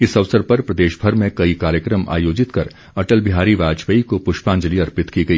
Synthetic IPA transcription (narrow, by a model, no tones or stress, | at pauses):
ɪsɐʋsəɾpɐɾpɾɐd̪eːʃbʱɐɾmẽkɐikaːɾjəkɾəmʔa̰ːjoːd͡ʒɪt̪kɐɾ | ɐʈəlbɪɦaːɾiʋaːd͡ʒʋɐikopʊʃpãːɲd͡ʒəliɐɾpɪt̪kiɡɐiː